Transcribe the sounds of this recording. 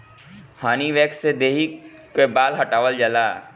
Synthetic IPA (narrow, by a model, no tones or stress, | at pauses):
haːniʋeːksed̪eːɦi | kebaːlɦɐʈaːʋəld͡ʒəlaː